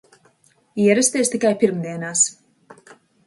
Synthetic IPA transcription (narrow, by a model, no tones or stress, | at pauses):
iɛɾɛst̪iːst̪ikajpiɾmd̪iɛnaːs